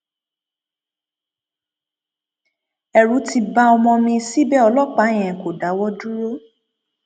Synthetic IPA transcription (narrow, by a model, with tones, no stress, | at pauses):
ɛ˨ɾũ˨˦ti˧ba˦ɔ˧mɔ̃˧mĩ˧si˦bɛ˦ɔ˧lɔ˦k͡pã˨˦˨ɛ̃˨ko˨da˨˦wɔ˦du˦ɾo˦